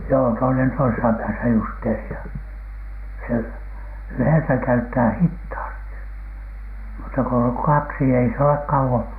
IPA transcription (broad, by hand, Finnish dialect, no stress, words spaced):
joː toinen toisesɑ pæːsæ justeːriɑ se yheˑsæ kæytːæː hithɑːsti mutːɑ ko oŋ kɑksi ei s ole kɑuwon